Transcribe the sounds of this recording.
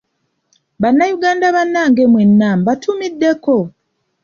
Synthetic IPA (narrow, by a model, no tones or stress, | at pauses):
βanːajuɡaːndaβanːaːŋɡemwe̞nːaːmbatʰumidːe̞ko̞